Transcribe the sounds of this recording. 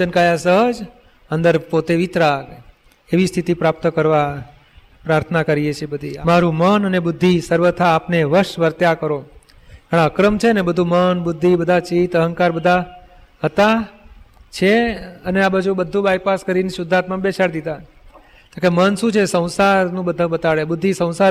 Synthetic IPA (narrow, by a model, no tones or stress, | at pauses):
t͡ʃənkajasəɦəd͡ʒ | ənd̪əɾpot̪eʋit̪ɾak | eʋist̪ʰit̪ipɾap̚t̪kəɾʋa | pɾaɾt̪ʰənakəɾijet͡ʃʰebəd̪ʱiamaɾũmənənebʊd̪ʱːisəɾʋət̪ʰaːpneʋəɾʃʋəɾt̪jakəɾo | əɽ̃aəkɾəmt͡ʃʰeənebəd̪ʱũmənbʊd̪ʱːibəd̪ʱat͡ʃit̪əɦəŋkaɾbəd̪ʱa | ɦət̪a | t͡ʃʰeəneabəd͡ʒʱũbəd̪ʱũbajpaskəɾiniʃʊd̪ʱːat̪mãbet͡ʃaɾd̪id̪a | t̪okemənʃũt͡ʃʰesə̃w̃saɾnũbəd̪ʱabət̪aɭebʊd̪ʱːisə̃w̃sa